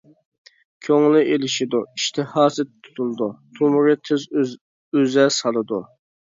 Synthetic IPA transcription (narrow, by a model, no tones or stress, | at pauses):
kʲʰøŋlɪʔelɪʃid̪uiʃt̪ʰɪhɑːsɨt̪ʰːu̥t̪ʰulˠd̪ut̪ʰumɾɪt̪ʰɪz | øzɛsɑlˠɨd̪u